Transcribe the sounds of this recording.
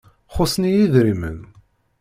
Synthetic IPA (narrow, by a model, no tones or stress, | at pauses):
χʊsnijiðɾimə̰n